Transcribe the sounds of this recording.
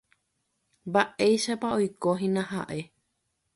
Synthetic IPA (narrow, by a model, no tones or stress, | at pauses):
mbaʔejʃapaojkoɦĩnãha̰ʔe̞